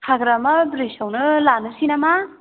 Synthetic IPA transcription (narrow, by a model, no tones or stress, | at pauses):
hʰaɡɾamɐbɾisawnɯlanɯsinama